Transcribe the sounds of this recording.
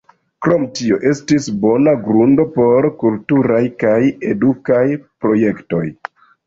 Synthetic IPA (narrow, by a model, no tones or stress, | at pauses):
kɾo̞mtio̞ʔe̞stisbo̞naɡɾundo̞po̞ɾkultuɾajkaje̞dukajpɾo̞je̞kto̞̰j